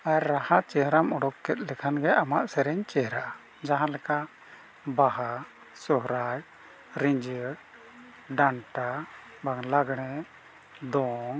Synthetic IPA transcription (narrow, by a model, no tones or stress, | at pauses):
aɾːahaʔt͡ʃɛɦɾamɔɽɔkːɛt̪̚ˀlɛkʰanɡɛamaʔsɛɾɛɲt͡ʃɛɦɾaʔa | d͡ʒaɦãlɛka | baɦa | sɔɦɾaj | ɾiɲd͡ʒəɾ | ɖaɳʈa | baŋlaɡɽ̃ɛ | d̪ɔŋ